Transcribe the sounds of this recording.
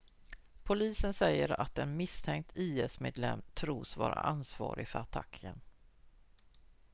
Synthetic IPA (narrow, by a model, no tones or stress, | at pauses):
pʰʊliːsənsɛjːəɾat̪ɛnmɪst̪ʰɛŋk̚t̪ʰiːɛsmeːd̪lɛmt̪ʰɾuːsvɑːɾaʔansvɑːɾɪfœɾat̪ʰa̰kʰːən